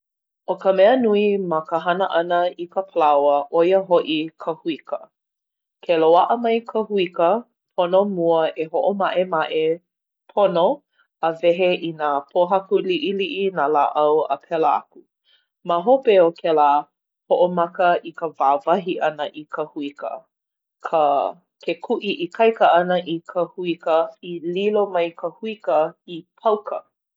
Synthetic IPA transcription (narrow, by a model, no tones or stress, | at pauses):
okəmɛənuimakəɦɐnəʔɐnəikəpʰəlawəʔojəɦoʔikʰəhuikə | kʰeloaʔəmɐjkʰəhuikə | pʰonomuəʔeɦoʔomaʔemaʔe | pʰono | əvɛɦeʔinapʰoɦɐkuliʔiliʔinalaːʔɐwə̰pʰɛləa̰ku | maɦopeokʰelaː | hoʔomɐkəʔikəvaːvɐɦiʔɐnəʔikʰəhuikə̰ | kʰə | kʰekʰuʔiʔikʰɐjkəɐnəʔikʰəhuikəililomɐjkʰəhuikəipʰɐwkʰə̰